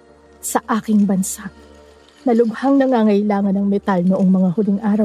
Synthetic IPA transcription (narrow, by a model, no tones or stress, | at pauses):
sɐʔaːkɪŋbɐnsaʔ | nɐlʊɡhaŋnɐŋaŋɐjlaːŋɐnɐŋmɛt̪alnʊʔoŋmɐŋahʊlɪŋʔaːɾɐw